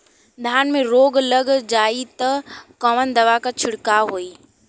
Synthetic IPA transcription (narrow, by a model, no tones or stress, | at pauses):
d̪ʱaːnmẽɾoːɡləɡd͡ʑaːit̪ɐkɐʋənd̪ɐʋakat͡ɕʰɪɽkaɦoːiː